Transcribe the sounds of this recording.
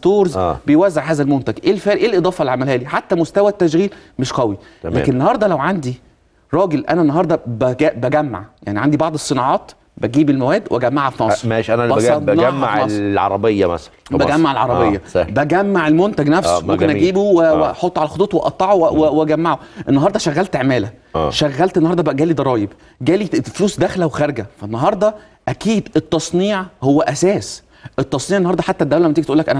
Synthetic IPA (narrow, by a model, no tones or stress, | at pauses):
st̪oːɾz̰bejwæzːeʕɦæːzælmont̪æɡʔeːlfæːʔeːlʔed̪ˤɑːfɑlʕamælhæːliħat̪ːæmost̪æwæt̪ːæʃ̬ɣiːlmeʃqæwi | læ̰ːkennːɑhɑɾˤd̪ˤɑlæwʕand̪i | ɾˤɑːɡelʔæ̰nænːɑɦɑːɾˤd̪ˤɑbæɡæbæɡæmːa̰ʕja̰ʕniʕand̪ibɑʕd̪ˤesˤːenɑʕɑːt̪ | bæɡiːbelmæwæːd̪wʔæɡæmːaʕæfnɑsˤmæeːʃʔænæɑænæmːa̰ʕɑsˤʕɑ̰ɾˤɑbejːæmæ̰sælænbæɡæmːaʕelʕɑɾˤɑbejːæbæɡæmːaʕelmont̪æɡnæfsmomkenʔæɡiːbuweweħot̪ˤːoʕalæxot̪ˤuːt̪ˤweʔɑ̰t̪ˤːɑʕowewɡæmːaʕoʔenːɑɦɑɾˤd̪ˤɑʃæɣːælt̪eʕmæːlæʔːʃæɣːælt̪enːhɑɾˤd̪ɑbeʔæɡæːlid̪ˤɑɾˤɑːjeb | ɡæːlifluːsd̪æxlæwexæɾɡæfænːɑɦɑɾˤd̪ˤɑ | ʔækiːd̪et̪ˤːɑsˤniːʕhowːæʔæsæːs | ʔet̪ˤːɑsˤniːʕenːhɑɾˤd̪ˤɑħat̪ːæd̪ːæwlæmæt̪iɡ̚t̪uːlːækʔæn